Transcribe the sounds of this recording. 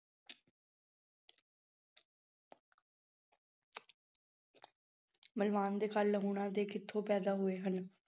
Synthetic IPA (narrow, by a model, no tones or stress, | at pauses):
məlʋaːnd̪eːkəlːəɡuːɳãːd̪eːkʰɪt̪ʰːõːpɛːd̪aːɦʊeːɦən